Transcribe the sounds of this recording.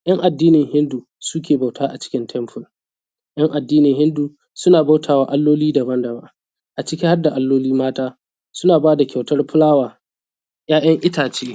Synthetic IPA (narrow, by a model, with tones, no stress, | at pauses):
j̰ɐ˦ŋʔa˨dːiː˦nɪ˨ŋhɪ˦nduː˨ | su˦k̬ʲeː˨ba˨wtaː˦ʔa˨t͡ʃɪ̥˦kʲɪ˦ntʰɛ˦mɸʊ˨l | j̰ɐ˦ŋʔa˨dːiː˦nɪ˨ŋɦɪ˦ndu˨ | sʊ˦naː˨ba˦wtʰaː˨waː˨ʔa˦lːoː˦liː˦da˨bɐ˦ndɐ˨ba˨ | ʔa˨t͡ʃɪ˦kʲɪ˦ha˦rda˨ʔa˦lːoː˦liː˦maː˦taː˦ | sʊ˦naː˨baː˦da˨kʲʰa˨wtɐ˦rɸʊ˦laː˦waː˨ | j̰aː˦j̰ɐ˦ŋʔɪ˦taː˨t͡ʃeː˦